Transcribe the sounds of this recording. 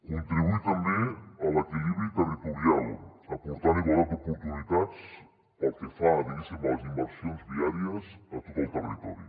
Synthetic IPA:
kunt̪ɾiβuit̪ambeələkiliβɾit̪ərit̪uɾialˠəpuɾt̪aɾiɣwalat̪upuɾt̪unit̪at͡s | pəlˠkefaðiβisimalzimbəɾsionzðiaɾiəsət̪ot̪əlˠt̪ərit̪ɔɾi

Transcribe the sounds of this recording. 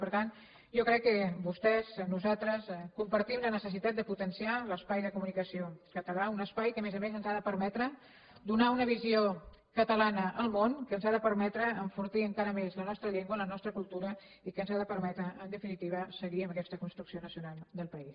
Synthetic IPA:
pəɾt̪an | ʒɔkɾɛkːəbust̪ɛznuzat̪ɾəskumpəɾt̪imlənəsəsit̪at̪̚d̪əput̪ənsialəspajðəkumunikəsiokət̪əlaunəspajkəmezəmezənzaðəpəɾmɛt̪ɾə | d̪unaunəβ̞izio | kət̪əlanəʔəlˠmonkənzaðəpəɾmɛt̪ɾəəɱfuɾt̪iəŋkaɾəmezlənɔst̪ɾəʎeŋɡwələnɔst̪ɾəkulˠt̪uɾə | ikənzaðəpəɾmɛt̪ɾəʔənd̪əfinit̪iβ̞əsəɣiəməkɛst̪əkunst̪ɾuksionəsiunalˠd̪əlˠpəis

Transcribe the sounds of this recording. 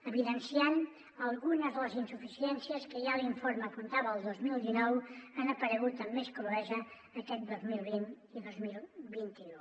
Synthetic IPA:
əβiðənsian | əlˠɣunəzðələzinsufisiɛnsiəskəʒaliɱfoɾməkunt̪aβəːlˠd̪ozmilˠd̪inɔwənəpəɾəɣut̪əmːeskoluɛzəː | kɛt̪̚d̪ozmilˠβin | iðozmilˠβint̪iu

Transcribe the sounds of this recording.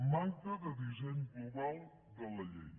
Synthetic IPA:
maŋk̪əðəðizɛɲɡluβalˠ | d̪ələʎḛɲ

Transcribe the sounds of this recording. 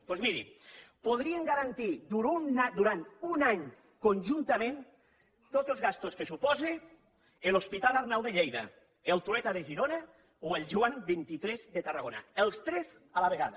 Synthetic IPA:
pozmiɾḭpoð̞ɾieŋɡaɾant̪iðuɾunad̪uɾant̪unaɲ | konʲʒunt̪amẽn | t̪od͡zzelzɣast̪oskesupɔzi | elospit̪alaɾnawðeʎejða̰ | elˠt̪uɛt̪aðeʒiɾona | oelˠʒuambint̪it̪ɾɛzðet̪araɣona̰elˠst̪ɾɛz | alaβ̞eɣaða

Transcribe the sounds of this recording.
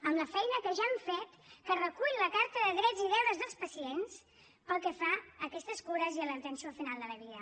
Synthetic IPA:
əmləfɛjnəkəʒaːɱfet̪kərəkuʎləkaɾt̪əðəðɾɛd͡ziðɛwðəzðəlˠspəsiens | pəlˠkɛfaəkɛst̪əskoɾəziələðt̪ənsiofinalˠd̪ələβiə

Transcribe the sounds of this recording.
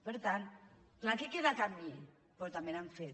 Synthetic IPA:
pəɾt̪an | lakekeðakami | poɾt̪amenaɱfet̪

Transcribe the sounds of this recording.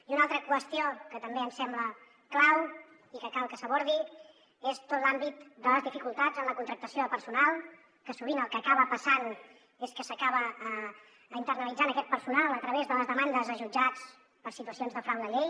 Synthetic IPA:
iunalˠt̪ɾəkwəst̪iokət̪əmbeəmsɛmblə | klaw | ikəkalˠkəsəβoɾði | est̪ot̪lambit̪̚d̪ələzðifikulˠt̪ad͡zənləkunt̪ɾək̚t̪əsioðəlˠpəɾsunalˠ | kəsuβ̞inəlˠkəːkaβəpəsan | eskəsəkaβəː | int̪ərnəlid͡zanəkɛt̪̚pəɾsunalˠət̪ɾəβezðələzðəmand̪əzəʒud͡ʒat͡s | pəɾsit̪uəsionzðəfɾawd̪əʎej

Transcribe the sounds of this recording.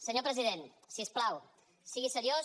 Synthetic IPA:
səɲopɾəziðen | siəsplaw | siɣisəɾio

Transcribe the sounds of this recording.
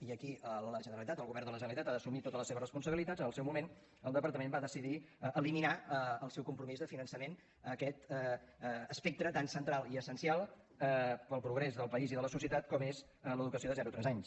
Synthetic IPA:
iəkiələʒənəɾəlit̪at̪əlɣuβɛrnd̪ələʒənəlit̪at̪aðəsumit̪ot̪ələseβərəspunsəβilit̪at̪zənəlˠsɛwmumen | əlˠd̪əpəɾt̪əmembaðəsiðiʔəliminaəəlˠsɛwkumpɾumizðəfinənsəmen | əkɛt̪ | əspek̚t̪ɾət̪ansənt̪ɾalˠiəsənsialˠ | pəlˠpɾuɣ̞ɾɛzðəlˠpəiziðələsusiət̪at̪̚kɔmes | ələðukəsioðəzɛɾut̪ɾɛzaɲs

